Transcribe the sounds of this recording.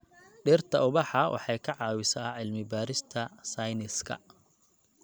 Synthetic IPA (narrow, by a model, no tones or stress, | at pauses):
ɖiːrt̪ʰɐ̰ʊβɑħɑwʔɑ̰ħɑjkʰɐʕɑːwɪsɐʕɪlmɪbaːɾɪst̪ʰɐsɐjnɪskʰɐ̰